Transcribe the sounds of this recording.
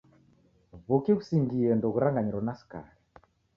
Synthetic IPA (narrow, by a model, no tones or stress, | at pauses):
βukiɣusiŋɡiɛndɔɣuɾaŋɡaɲiɾɔnasi̥ka̰ɾɛ